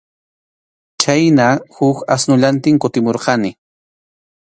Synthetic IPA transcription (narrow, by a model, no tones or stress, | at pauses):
t͡ʃajnahʊkasnʊʎant̪ɪŋkʊt̪ɪmoɾqɑnɪ